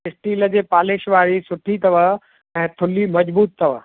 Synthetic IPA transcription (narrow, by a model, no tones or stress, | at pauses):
ɪsʈiːlə̆d͡ʑeːpaːlɪʃʋaːɾisʊʈʰit̪ɐʋəɦ | ɛ̃ːt̪ʰʊlimɐd͡ʑbuːt̪ʰːɐʋəɦ